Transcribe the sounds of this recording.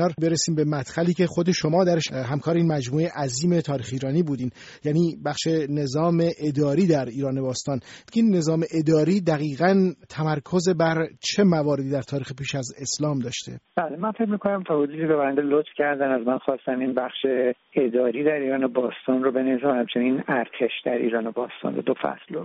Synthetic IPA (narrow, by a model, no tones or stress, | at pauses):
ɒɾbe̞ɾesiːmbe̞mæt̪xæliːcʰe̞xo̞d̪e̞ʃomɒːd̪æɾeʃɦæmkʰɒːɾeinmæd͡ʒmuːejeʔæziːme̞t̪ʰɒːɾiːxiːɾɒːniːbuːd̪iːn | jæːniːbæxʃe̞ne̞zɒːme̞ʔed̪ɒːɾiːd̪æɾiːɾɒːne̞bɒːst̪ɒːnkʰeinːe̞zɒːme̞ʔe̞d̪ɒːɾiːd̪æɣiːɣænt̪ʰæmæɾkʰo̞ze̞bæɾt͡ʃʰe̞mævɒːɾed̪iːd̪æɾt̪ʰɒːɾiːxepiːʃæze̞slɒːmd̪ɒːʃt̪ʰe̞̰b̥æːlemænfe̞cmikʰonæmt̪ʰɒːhod͡ʒud̪ibebæɾænd̪elot̪fcʰæɾd̪ænæzmænxɒːst̪æminbæxʃe | ed̪ɒːɾiːd̪æɾiːɾɒːnobɒːst̪ʰɒːnɾobenevis̬æmhæmt͡ʃʰe̞ninæɾt̪ʰe̞ʃd̪æɾḭːɾɒːnobɒːst̪ɒ̰ndo̰d̪ofæ̰slo